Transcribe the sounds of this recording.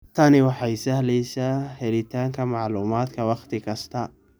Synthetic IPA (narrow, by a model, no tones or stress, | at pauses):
t̪ʰɐnɪwɑħɑjsɐhlɛjsaːhɛlɪt̪ʰaːŋkʰɐmɑʕluːmaːd̪kʰɐwɑχt̪ʰɪkʰɐst̪ʰɐ